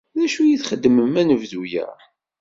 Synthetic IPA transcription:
ðæʃujiθχəd̪ːəməmænəvðujə̰ɾˤ

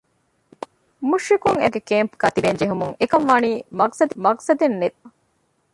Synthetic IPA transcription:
muʃɾikuŋḛɡekeːmpkɐt̪ibend͡ʒeɦumuŋekɐnʋɐniːmɐksɐd̪mɐksɐd̪enːet̪

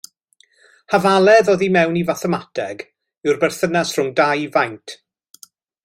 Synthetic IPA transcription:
havalˠɛðɔðimɛwnivaθɛmatʰɛɡ | ɪwrbɛrθənasr̥ʊŋdajvajntʰ

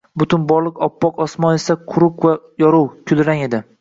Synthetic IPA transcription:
bʊt̪ʰʊnbɒɾlˠɨqɒpːɒqɒsmɒnesaqʰʊɾʊqva | jɒɾʊwkʲʰʊlɾaŋe̞d̪ɪ

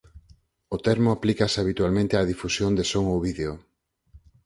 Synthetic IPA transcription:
ot̪ɛɾmʊaplikasaβ̞it̪ualmẽnt̪eaðifusjond̪esoŋoβiðeo

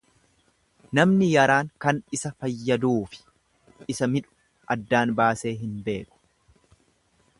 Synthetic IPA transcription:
nɐmnɪjɐɾaːŋkɐnɪsɐfɐjːɐd̪uːfɪ̥ | ɪsɐmɪᶑʊ̥ | ʔɐd̪ːaːnbaːse̞ːɦɪnbe̞ːkʊ̥

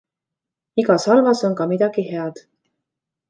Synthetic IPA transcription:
iɡɑsɑlvɑso̞nkɑmid̪̥ɑɡ̥ihe̞ɑd̪̥

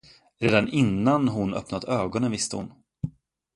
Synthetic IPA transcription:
ɾeːd̪anɪnːanɦʊnœ̰pnad̪əøːɡɔnənvɪst̪əhʊ̰n

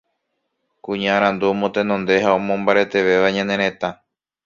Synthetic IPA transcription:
kũɲãaɾ̃ãnd̪umõt̪enõnd̪e̞ɦaomõmbaɾe̞t̪e̞ʋe̞ʋaɲãnẽɾẽ̞t̪a

